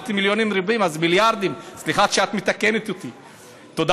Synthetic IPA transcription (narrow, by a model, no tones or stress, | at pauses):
t̪imiljonimɾibimazmiljaɾd̪imslixat̪t͡ʃeat̪mit̪akenit̪ut̪i | t̪od̪